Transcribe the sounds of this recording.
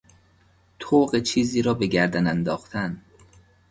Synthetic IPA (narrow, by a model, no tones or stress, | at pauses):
t̪ʰoːɢet͡ʃʰiːziːɾɒːbe̞ɡæɾd̪ænænd̪ɒːxt̪ʰæn